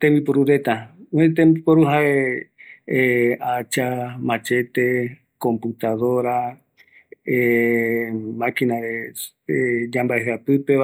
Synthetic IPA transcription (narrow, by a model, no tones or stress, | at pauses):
t̪ẽmbipoɾuɾe̞t̪at̪ẽmbipoɾuɦae | at͡ʃamãt͡ʃe̞t̪e̞ | kõ̞mput̪aðo̞ɾa | e | mãkĩnaɾe | ed͡ʒãmbaeɦapɨpe